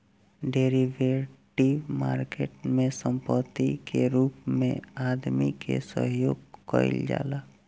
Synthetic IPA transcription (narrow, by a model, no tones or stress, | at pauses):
ɖeːɾiʋeʈiʋmaːɾkeːʈmẽsə̃mpət̪ːikeɾuːpmḛ̃aːd̪mikḛsə̰ɦjoːɡkə̰ɪ̰ld͡ʒa̰ːlaː